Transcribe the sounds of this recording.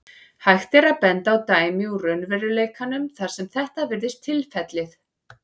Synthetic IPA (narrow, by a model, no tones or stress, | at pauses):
hajxt̪ɪɾaðpɛnt̪aːwt̪aːjmiurœnvɛɾʏleːjkʰanʏmθaɾ̥sɛmθɛht̪avɪɾðɪst̪ʰɪlfɛt̪lɪθ